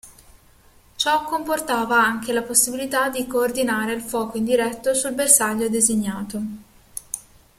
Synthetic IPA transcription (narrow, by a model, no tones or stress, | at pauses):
t͡ʃɔkːomport̪aːvaaŋkelaposːibilit̪ad̪ːikoːrd̪inaːɾeilfwɔːkoind̪iɾɛt̪ːosulbersaʎːod̪eziɲːaːt̪o